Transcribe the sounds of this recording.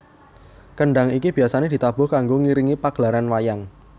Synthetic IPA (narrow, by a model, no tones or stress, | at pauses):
kəɳɖaŋikib̥i̤asaned̥i̤t̪ab̥ʊ̤hkaŋɡoŋiɾiŋipaɡ̥laɾanwajaŋ